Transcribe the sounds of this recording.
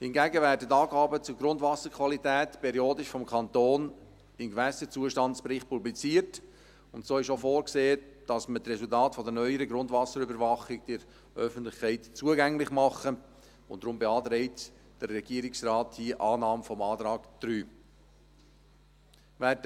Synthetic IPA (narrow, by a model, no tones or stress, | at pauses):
hɪnɡæɡəvæːɾdətɑːɡɑːbət͡sʊɾɡɾʊndvɑsəɾkʰʋɑlitɛːtpʰɛɾioːdɪʃfɔmkʰɑnt̪oːn | ɪmɡvæsət͡suəʃtɑnt͡spɾɪχt̚publit͡siːəɾt | ʊntsoːɪʃofoːɾkseː | d̥ɑsmətrɛsʊltɑːtfɔdənœʏəɾəɡɾʊndvɑsəɾʏbəɾvɑχɪkd̥ɪɾ | œfən̩tlɪχkʰɛɪtt͡suəɡæŋlɪχmɑχə | ʊnd̥ɾʊmbɛɑːt̪ɾɛɪt | d̥əɾːɛɡ̥iəɾɪksrɑːthiːəʔɑːnɑːmfɔmɑːt̪ɾɑːkd̪̥ɾyː | væd